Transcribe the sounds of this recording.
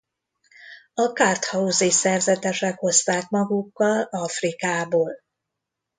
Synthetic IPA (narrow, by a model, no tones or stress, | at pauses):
ɒkaːrt̪hɒuzeːsɛrzɛt̪ɛʃɛkho̞st̪aːkmɒɡukːɒlɒfrikaːboːl